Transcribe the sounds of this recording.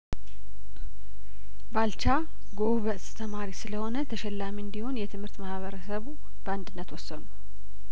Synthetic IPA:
balt͡ʃa | ɡoβəʔst̪ʰəmaɾisɨləho̞nət̪ʰəʃɛlːamiɨnd̪iho̞njɛt̪ʰɨmhɨɾt̪mahβəɾəsəβu | b̥əand̪ɨnːət̪wɔsːənu

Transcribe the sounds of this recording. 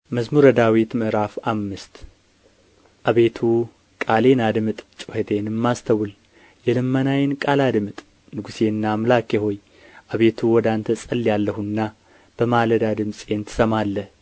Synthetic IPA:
məzmuɾəd̪awit̪mɨʔɾafamːɨst̪ | ʔaβe̞t̪ʰu | kʼale̞nad̪ɨmɨt̪ʼt͡ʃʼuhet̪ʰe̞nɨmːast̪ʰəwul | jɛlɨmːənajɪnkʼalad̪mɨt̪ʼ | nɨɡuse̞nːamɨlakeɦo̞j | ʔaβe̞t̪ʰuwɔd̪ant̪ʰəsʼəlːjalːəhuɨnːa | b̥əmaləd̪ad̪ɨmsʼe̞nt̪ʰɨ̥səmalːəh

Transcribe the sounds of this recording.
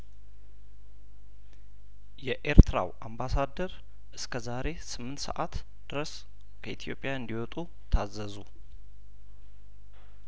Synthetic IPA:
jɛʔeɾt̪ʰɾa̰wʔambasad̪əɾ | ʔɨskʰəzaɾe̞sɨmːɨnt̪sə̰ʔat̪ | d̪̥ɨɾəs | kʰəʔit̪ʰijo̞̰pʼjaɨnd̪iwɔt̪ʼu | t̪ʰazːəzu

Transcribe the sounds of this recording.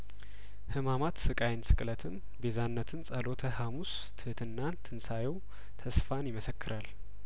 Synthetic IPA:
hɨmamat̪sɨkʼajnsɨkʼlət̪ʰɨn | bezanːət̪ʰɨnsʼəlo̞t̪ʰəhamus | t̪ʰɨhɨt̪ʰɨnːant̪ʰɨnsajɛw | t̪ʰəsfanjɪməsəkʰːɨɾʔal

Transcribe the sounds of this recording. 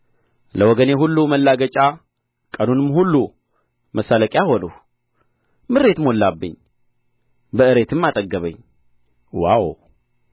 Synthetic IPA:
ləwɔɡəne̞ɦulːuməlːaɡət͡ʃʼa | kʼənunɨmhulːu | məsːaləkʼjaho̞nuh | mɨɾe̞t̪mo̞lːabːɨɲː | bəɨɾe̞t̪ʰɨmːat̪ʼəɡːəβə̰ɲː | wa̰w

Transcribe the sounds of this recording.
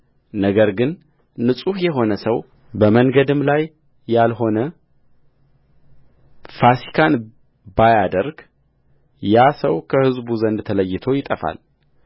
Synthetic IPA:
nəɡəɾɡɨnː | ɨsʼuhjɛɦo̞nəsəw | bəməŋɡəd̪ɨmlajː | alɦo̞nə | fasi̥kʰan | bajad̪əɾɡ | jasəwkʰəhɨzbuzənd̪t̪ʰələjːɪt̪ʰo̞jɪt̪ʼəfa̰l

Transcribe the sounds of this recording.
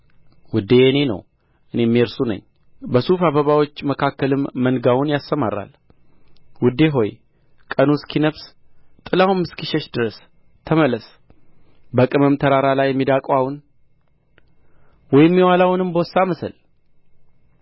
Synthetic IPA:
wʊd̪ːeɨne̞nə̰w | ʔɨne̞mːiɾsunə̰ɲː | bəsufaβəβawo̞t͡ʃːməkʰakːəlɨmːənɡawʊnjast̪əmaɾa̰l | wʊd̪ːe̞ɦo̞j | kʼənuskʰinəβst̪ʼɨlawumɨskiʃɛʃd̪ɨɾəs | t̪ʰəməlːəs | bəkʼɨməmt̪ʰəɾaɾalajːɛmːid̪akʼwawun | wɔjɪmːiwalawnɨmbəwsːaməsəl

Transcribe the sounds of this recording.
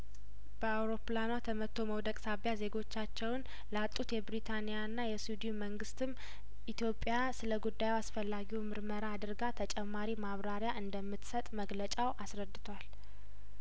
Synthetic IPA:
b̥əawɾo̞planwat̪ʰəmət̪ʰːo̞məwd̪əkʼsaβjaze̞ɡo̞t͡ʃːat͡ʃːɛwn | ləat̪ʼːut̪jɛbɾit̪ʰanijanːajɛsud̪iuməŋɡɨst̪ʰɨm | ʔit̪ʰjo̞pʼːjasɨləɡud̪ːajɛwasfəlːaɡiwmɨɾməɾaːd̪ɨɾɡat̪ʰət͡ʃʼɛmːaɾimaβɾaɾjaʔɨnd̪əmːɨt̪sət̪ʼməɡlət͡ʃʼawʔasɾəd̪ːɨt̪ʰwal

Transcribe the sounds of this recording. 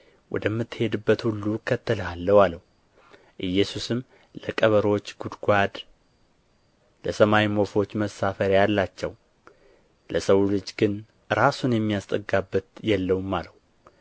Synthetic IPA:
wɔ̰d̪əmːɨt̪ːhe̞d̪ɨbːət̪hulːukʰːət̪ːələhalːəwaləwu | ʔɨjːɛsusɨmː | ləkʼəβəɾo̞t͡ʃːɡ̥ud̪ɡʷad̪ | ləsəmawimo̞fo̞t͡ʃːməsːafəɾjalːat͡ʃːɛw | lʔəsəwulɨd͡ʒɡɨn | ɾasunjɛmːijast̪ʼəɡabːət̪jɛlːəwumːaləw

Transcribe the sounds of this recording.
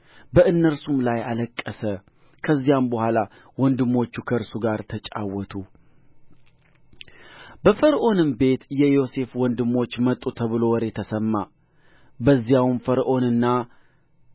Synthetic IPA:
bəʔɨnːəɾsumlajaləkʼːəsə | kʰəzːijambəhʷala | wɔnd̪ɨmːo̞t͡ʃːukʰəɾsuɡaɾt̪ʰət͡ʃʼa̰wːɔt̪ʰu | bəfəɾʔo̞nɨmbe̞t̪jɛjo̞se̞fwɔnd̪ɨmːo̞t͡ʃːmət̪ʼːut̪ʰəβɨlo̞wɾet̪ʰəsəmːa | bəzːijawmfəɾʔo̞nɨnːa

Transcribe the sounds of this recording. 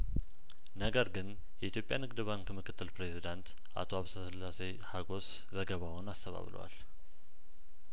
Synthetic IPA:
nəɡəɾɡɨn | jɛʔit̪ʰjo̞pʼjanɨɡd̪ɨβankʰɨmɨkʰɨt̪ʰːɨlpɾe̞zid̪ant̪ | ʔa̰t̪ʰoaβst̪ʰəsɨlːase | haɡo̞s | zəɡəβawʊnast̪ʰəβa̰βlʔə̰wa̰l

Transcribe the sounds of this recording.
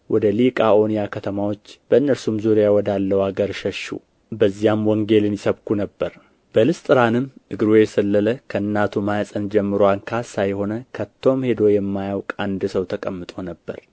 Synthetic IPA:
wʔɔd̪əlikʼaʔo̞nijakʰət̪ʰəmawo̞t͡ʃːb̥əɨnːəɾsumzuɾijawɔd̪alːəwaɡəɾʃəʃːṵ | bəzːijamwɔŋɡe̞lɨnjɪsəβkʰunəbːəɾ | b̥əlɨst̪ʼɨɾanɨmːʔɨɡɾojɛsəlːələkʰəɨnːat̪ʰumajasʼənd͡ʒɛmːɨɾoankʰasajho̞nəkʰət̪ʰːo̞mhe̞d̪o̞jɛmːajawkʼand̪ɨsəwt̪ʰəkʼəmːɨt̪ʼo̞nəbːə̰ɾ

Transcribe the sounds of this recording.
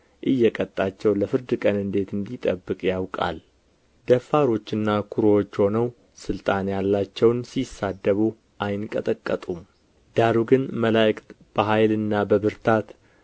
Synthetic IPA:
ʔɨjːɛkʼət̪ʼːat͡ʃːɛwləfɨɾd̪ɨkʼənɨnd̪e̞t̪ɨnd̪it̪ʼəbːɨkʼjawkʼa̰l | d̪əfːaɾo̞t͡ʃːɨnːakʰuɾoot͡ʃːho̞nəw | sɨlt̪ʼanjalːat͡ʃːɛwnsisad̪ːəβu | ʔajnkʼət̪ʼəkʼːət̪ʼum | d̪̥aɾuɡɨnməlajkʼt̪ | b̥əɦajlɨnːabəβɨɾt̪ʰat̪

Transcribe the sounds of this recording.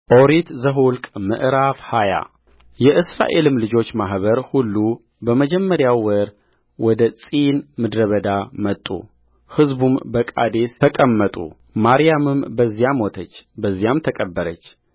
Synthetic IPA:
ʔoɾit̪zəɦulkʼmɨ̰ʔɾafhaja̰ | jɛʔɨsɾa̰ʔe̞lɨmlɨd͡ʒo̞t͡ʃːmaɦβəɾhulːu | bəməd͡ʒɛmːəɾjawːəɾ | wɔd̪ət͡sʼinmɨd̪ɾəβəd̪amət̪ʼːṵ | hɨzbumbəkʼa̰d̪esʰəkʼəmːət̪ʼṵ | maɾijamɨmbəzːijamɔt̪ʰət͡ʃːbəzːijamt̪ʰəkʼəbːəɾət͡ʃː

